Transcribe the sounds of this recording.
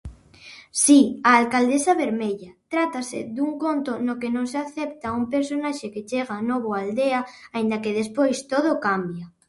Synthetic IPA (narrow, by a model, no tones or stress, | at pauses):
siaːlkald̪esaβeɾmeʎat̪ɾat̪asḛðuŋkont̪onokenõŋseaθep̚t̪aumpeɾsonaʃeket͡ʃeɣ̞anoβ̞oald̪eaaĩnd̪akeðespojst̪oð̞okambja